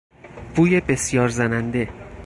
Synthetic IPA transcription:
vuːjebe̞sjɒːɾzænænd̪e̞

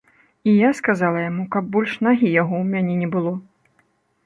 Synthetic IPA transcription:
ijaskazalˠɐjamukɐb̚ːɔlʲʂnaɣʲijaɣɔwmʲanʲɛnʲɛbɨlˠɔ

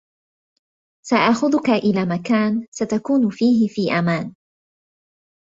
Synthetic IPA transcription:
saʔaʔxʊðʊkaʔɪlaːmakaːnsat̪akuːnʊfiːɦɪfiːʔamaːn

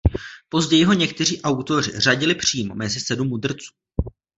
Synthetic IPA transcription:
po̞zɟɛjɪɦo̞ɲɛk̚t̪ɛriːʔawt̪o̞r̝ɪ̰r̝aɟɪlɪpr̝̥iːmo̞̰mɛzɪsɛdumːud̪r̩t͡su̥ː

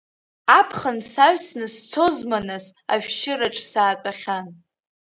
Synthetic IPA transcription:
apʰχənsaɥᶣsnɨst͡sʰo̞zmanɨsa̰ɥᶣʃɪɾaʈ͡ʂʼsaːkʼaχʲan

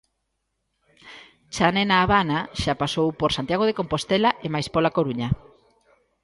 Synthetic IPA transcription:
t͡ʃanenaːβanaʃapasowpoɾsant̪jaɣ̞oð̞ekompost̪elaʔemajspolakoɾuɲa

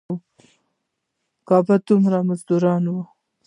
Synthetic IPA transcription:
kɑbad̪ʊmɾamazd̪uɾɑnwa

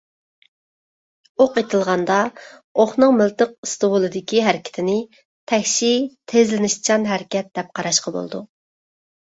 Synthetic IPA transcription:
oqet̪ʰɨlˠʁɑnd̪ɑ | oχnɨŋmɪlt̪əq̚ɨst̪ɨwulˠɨd̪ɪkʲiɦæɾɪkʲɪ̥t̪ʰɪnɪ | t̪ʰɛkʲʃit̪ʰezlɪnɪʃt͡ʃʰɑnɦæɾɪkʲɛt̪̚d̪̥ɛp̚qʰɑɾɑʃqɑbo̰lˠd̪u

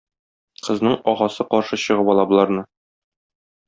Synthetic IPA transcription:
qɤ̆znɤɴɒʁɑsɤqɒɾʃɤɕɤ̆ʁɤpɒlˠɑbɤ̆lˠɑɾnɤ

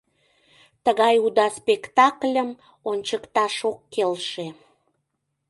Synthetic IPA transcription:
t̪əɣɑjud̪ɑspekt̪ɑklʲəm | onʲt͡ɕəkt̪ɑʃokːelʃe

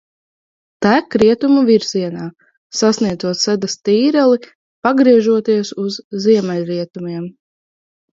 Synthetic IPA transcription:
t̪æːkɾiɛt̪umuviɾz̥iɛnaː | sasniɛd̪zuɔt̪sɛd̪ast̪iːɾɛlˠi | paɡɾiɛʒuɔt̪iɛsuzːiɛmɛlʲɾiɛt̪umiɛm

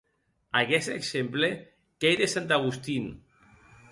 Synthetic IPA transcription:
aɣɛseksemple | kejðesant̪aɣ̞ust̪in

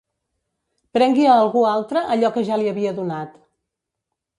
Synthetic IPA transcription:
pɾɛŋɡiəːlˠɣualˠt̪ɾəʔəʎɔkəʒaliəβiəðunat̪

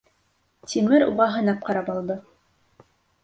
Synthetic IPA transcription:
t̪ʲimɘɾṵʁɑɦɤ̆nɑp̚qɑɾɑpɑlˠd̪ɤ

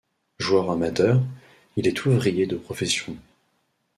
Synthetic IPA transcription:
ʒwœʁamat̪œːʁ | ilɛt̪ʰuvʁijed̪əpχɔfesjɔ̃

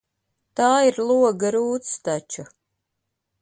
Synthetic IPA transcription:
t̪aːiɾlˠuɔɡaɾuːt̪st̪at͡ʃa

